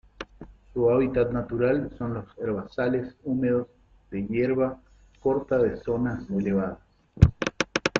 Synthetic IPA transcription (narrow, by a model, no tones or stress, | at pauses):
suaβit̪at̪nat̪uɾalso̞nlo̞seɾβasalesume̞ð̞oz | ðeʝeɾβa | ko̞ɾt̪aðeso̞naseleβ̞aðas